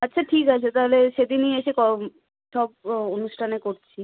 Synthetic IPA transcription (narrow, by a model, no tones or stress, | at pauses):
atːɕʰaʈʰikat͡ɕʰet̪aɦoleʃed̪inieʃekɔ | ʃɔb̚onuʃʈʰanekoɾt͡ɕʰi